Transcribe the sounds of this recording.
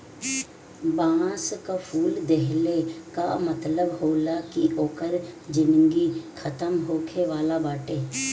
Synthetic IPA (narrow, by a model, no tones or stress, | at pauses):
bãːskafʰuːld̪eɦleka̰mət̪ləbhoːlakiʔoːkəɾd͡ʒɪmɪŋɡikʰət̪əmɦoːkʰeʋaːlabaːʈeː